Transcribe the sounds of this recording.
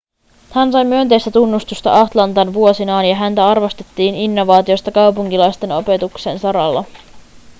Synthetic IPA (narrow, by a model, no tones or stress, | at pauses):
hænsɑjmyønt̪e̞jst̪æt̪unːust̪ust̪ɑ̰ʔɑt̪lɑnt̪ɑnʋuo̞sinɑːnjɑɦænt̪æɑrʋo̞st̪e̞̥t̪ːiːninːo̞ʋɑːt̪io̞st̪ɑkɑwpuŋkilɑjst̪e̞no̞pe̞t̪ukse̞nsɑɾɑlːɑ